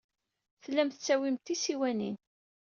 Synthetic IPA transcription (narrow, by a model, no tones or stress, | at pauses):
θlːæmθət͡sːæwimt̪isiwænin